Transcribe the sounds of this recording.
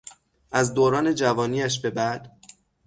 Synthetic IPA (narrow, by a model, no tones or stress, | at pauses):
ʔæzd̪oːɾɒːne̞d͡ʒævɒːniːæʃ̬be̞bæd̪̥